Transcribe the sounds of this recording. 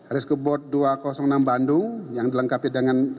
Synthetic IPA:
aɾɪskəbɔt̪̚duakɔsɔŋnambandujaŋdiləŋkapidəŋan

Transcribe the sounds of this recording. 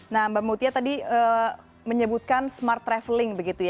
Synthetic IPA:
nambamut̪iat̪adiə | məɲəbut̪̚kansmart̪ːɾɛfəlɪŋbəɡit̪uj

